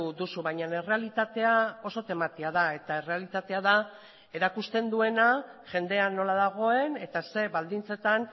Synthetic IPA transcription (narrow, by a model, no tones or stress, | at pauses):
ud̪usuβajɲane̞re̞alit̪at̪e̞ao̞so̞t̪e̞mat̪iað̞ae̞t̪ae̞re̞alit̪at̪e̞aða | e̞ɾakust̪e̞nd̪ue̞naʝe̞nd̪e̞ano̞laðaɣ̞o̞e̞ne̞t̪ase̞βald̪int͡se̞t̪an